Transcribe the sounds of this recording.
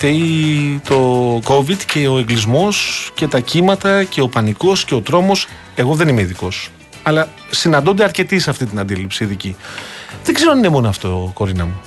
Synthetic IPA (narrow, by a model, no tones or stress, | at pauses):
eit̪o̞ko̞vid̪ce̞o̞eŋɡlizmo̞sce̞t̪ɐcimɐt̪ɐce̞o̞pɐniko̞sce̞o̞t̪ɾo̞mo̞s | e̞ɣo̞ðe̞nime̞iðiko̞s | ɐlɐ | sinɐnd̪ond̪e̞ɐɾce̞t̪isɐft̪int̪inɐnd̪ilipsiːðiciðeɡzeɾoninemo̞noɐft̪o̞ko̞ɾinɐ̰mu